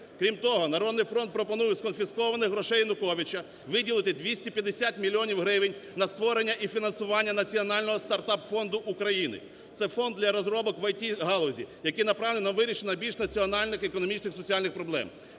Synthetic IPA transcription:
kɾʲimt̪ɔɦɔnɐɾɔd̪nɪjfɾɔnt̪̚pɾɔpɔnujɛskɔnfʲiskɔʋɐnɪɦɾɔʃɛjnʊkɔʋʲit͡ʃɐ | ʋɪdʲilˠɪt̪ɪd̪ʲʋʲisʲtʲipʲjɐd̪esʲat̪ʲmʲilʲːiɔnʲiwɦɾɪʋɪnʲnɐst̪ʋɔɾenʲːɐʔifʲinɐnsʊʋɑnʲːɐnɐt͡sʲiɔnɑlʲnɔɦɔst̪ɐrt̪ɑpfɔnd̪ʊʔukɾɐjinɪ̰ | t̪sɛfɔnd̪ʲlʲɐɾɔzɾɔbɔkʋɐjtʲiɦɑlˠɔzʲḭjɐkɪjnɐpɾɑʋnenɐʋɪɾʲiʃenɐbʲilʲʃnɐt͡sʲiɔnɑlʲnɪxekɔnɔmʲit͡ʃnɪxsɔt͡sʲɑlʲnɪxpɾɔblˠɛ̰m

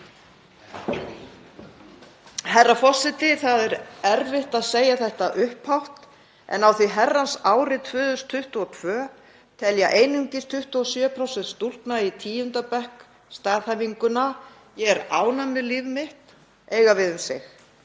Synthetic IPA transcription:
hɛrafɔr̥sɪt̪ɪθaðɛɾɛɾvɪht̪aðseːjaθɛht̪aʔʏhphawht̪ | ʔɛ̰nawθiɦɛrːansaːwɾɪt̪ʰvʏːðʏst̪ʰʏht̪uɔt̪ʰvœː | t̪ʰɛljaʔeːjnʏŋcɪst̪ʰʏht̪uɔsjœːpʰɾɔwsɛnt̪st̪ul̥k̪nait̪ʰiːjʏnt̪apɛhk | st̪aːðhɛviŋkʏna | jɛɛɾa̰ːwnamɪlivmɪht̪ | eːjɣavɪðʏmsɪx

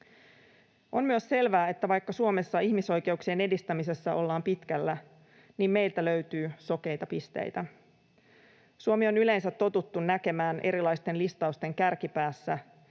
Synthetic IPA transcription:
ʔo̞nmyøsse̞lʋæːe̞t̪ːæʋɑjkːɑsuome̞sːɑiçmiso̞jke̞uksiene̞dist̪æmise̞sːæʔo̞lːɑːmpit̪kælːæ | niːmme̞jlt̪ælø̞ɥt̪yːso̞ke̞jt̪ɑpist̪ḛjt̪æ | suomio̞nyle̞nsæt̪ːo̞t̪ut̪ːunːæke̞mæːnʔe̞̰ɾilɑjst̪e̞nlist̪ɑust̪e̞ŋkærkipæːsːæ

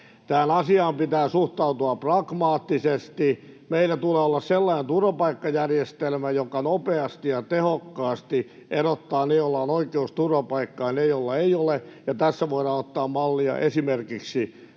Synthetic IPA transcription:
t̪æːnɑsiɑːmpit̪æːsuht̪ɑut̪uɑprɑɡ̥mɑːt̪ːisest̪i | meilːæt̪uleːolːɑsselːɑinent̪urʋɑpɑikːɑjærjest̪elmæjokɑnopeɑst̪ijɑt̪ehokːɑːst̪i | ʔeɾot̪ːɑːnejolːɑonoikeust̪urʋɑpɑikːɑːnejolːɑeiolejɑt̪æsːæʋoiɾɑːnot̪ːɑːmmɑlːiɑ̰ʔesimerkiksi

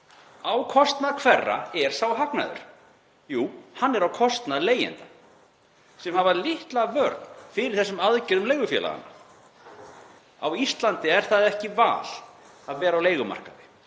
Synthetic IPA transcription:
awkʰɔst̪naðkʰvɛrːa̰ɛɾ̥sawɦakna̰ðʏ̰ɾ̥ | juːhanːɛɾawkʰɔst̪naðleːjɪ̰nt̪a | sɛmhavalɪht̪lavœɾt̪nfɪɾɪɾ̥θɛsːʏmaðcɛɾðʏmlejɣʏfjɛ̰la̰ɣa̰nːa | a̰wist̪lant̪ɪɛɾ̥θaðɛhcɪva̰ːl̥ | aðvɛːɾawleːjɣʏma̰r̥kaðɪ

